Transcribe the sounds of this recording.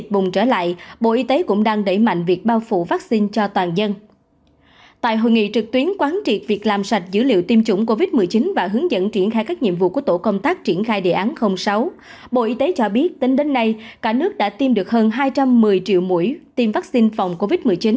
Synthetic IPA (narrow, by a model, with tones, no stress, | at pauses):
t̚ɓʊ˨˩ŋ͡mt͡ɕəː˧˩la̰ː˧˨jɓo̰˧˨ʔi˧t̪e˨˦kʊ̰˧˥ŋ͡mɗaː˧ŋɗə˧˩jma̰˧˨jŋ̟vi˨˩ək̚ɓaː˧wfṵ˧˨vaː˦˥k̚si˧nt͡ɕɔ˧t̪waː˨˩nzə˧n | t̪a̰ː˧˨jɦo̰˧˨jŋḭ˧˨t͡ɕɨ˨˩k̚t̪wi˨˦ənkwaː˨˦nt͡ɕḭ˧˨˩t̚vi˨˩k̚laː˨˩msa˨˩jt̚zɨ̰˧˥lḭ˧˨əwt̪i˧mt͡ɕʊ̰˧˩ŋ͡mko˧vi˦˥t̚mɨ˨˩əjt͡ɕi˨˦nvaː˨˩ɦɨ˨˦əŋzə̰˧˨nt͡ɕi˧˩ənxaː˧jkaː˦˥k̚ɲḭ˧˨əmvṵ˧˨ku˧˩t̪o̰˧˩kə˧wŋ͡mt̪aː˦˥k̚t͡ɕi˧˩ənxaː˧jɗḛ˧˨ʔaː˨˦nxə˧wŋ͡msa˨˦w | ɓo̰˧˨ʔi˧t̪e˨˦t͡ɕɔ˧ɓi˦˥ət̚t̪i˧ŋɗe˨˦nːa˧jkaː˧˩nɨ˦˥ək̚ɗa̰ː˧˥t̪i˧mɗɨ˨˩ək̚ɦəː˧nɦaː˧jt͡ɕa˧mːɨ˨˩əjt͡ɕḭ˧˨əwmṵ˧˩˥jt̪i˧mvaː˦˥k̚si˧nfa˨˩wŋ͡mko˧vi˦˥t̚mɨ˨˩əjt͡ɕi˨˦n